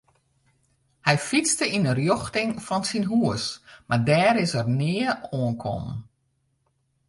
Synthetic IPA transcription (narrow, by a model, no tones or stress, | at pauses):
hɛjfit͡stəinərjoxtɪŋfɔnsinɦuəsmaɹdɛːɾɪsərnɪəoənkʰɔ̰mn